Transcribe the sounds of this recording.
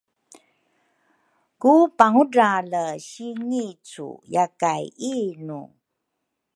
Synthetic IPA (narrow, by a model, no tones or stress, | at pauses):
kupaŋudaləɕiŋit͡sṵjakajinṵ